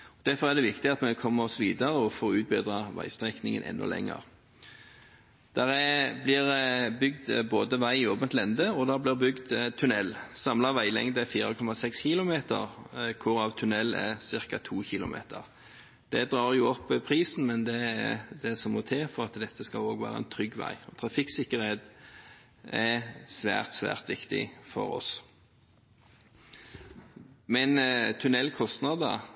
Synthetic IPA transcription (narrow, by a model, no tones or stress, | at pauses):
ɔd̪̥æɾfɔɾæʁd̪ɛʋɪkt̪ɪɑt̪mɛkʰɔmːəɔsɔʋiːd̪ɑɾəɔfoːɾʉːt̪̚bɪd̪ʁɑʋæ̰ɪst̪ʁɛknɪŋə̰nʔɛ̰nːɔ̰lɛ̰ŋːə̰ʁ | d̪̥æɾɛblɪɾbʏɡd̪boːd̪əʋæɪoːbənt̪lɛnd̪əɔd̪æblɪʁbʏɡd̪t̪ʰːʉnɛlsɑmlɑʋæɪlɛ̰ŋd̪ɛfiːɾəkʰɔmːɑsɛksçɪːlʊmeːt̪ə̰ʁkʰʊɾɑʋt̪ʰʉnɛlːæ̰sɪɾkɑt̪ʰuːçɪlʊ̰mḛːt̪ʰə̰ʁ | d̪̥ɛd̪ɾɑːʁjuːɔpːpʰʁiːsn̩mɛnd̪ɛæd̪ɛsɔmɔt̪ʰeːfɔɾɑt̪d̪ɛt̪ːəskɑloːɡʋæ̰ːɾɑ̰ɛ̰nt̪ʰɾʏɡːʋæ̰ɪɔt̪ʰɾɑfɪksɪkːəɾeːd̪ | ɛsʋæ̰ːʁt̪sʋæ̰ːʁt̪ʋɪkt̪ɪ̰fɔ̰ɾɔ̰s | mɛnt̪ʰʉnɛlkʰɔst̪nɑd̪ɑ̰